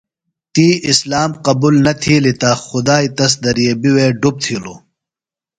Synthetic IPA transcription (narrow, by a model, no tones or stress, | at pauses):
t̪iːislaːmqɐbuːlnɐt̪ʰiːlit̪aːxʊd̪aːit̪ɐs̬d̪ɐɾijebiweːɖub̚t̪ʰiːloː